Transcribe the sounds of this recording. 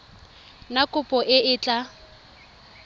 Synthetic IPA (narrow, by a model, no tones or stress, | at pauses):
nakʼʊpʼɔʔɪɪːt͡ɬʼa